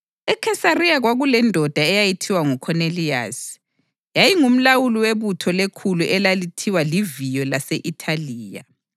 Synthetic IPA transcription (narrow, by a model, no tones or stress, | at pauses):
ɛkʰɛsarijaɣwaɣulɛndʱɔd̥ʱaɛjajitʰiwaŋukʰɔnelia̰s | jajiŋum̩lawuliweβutʰɔlekʰuluʔɛlalitʰiwalivijɔlaseʔitʰaliːja̰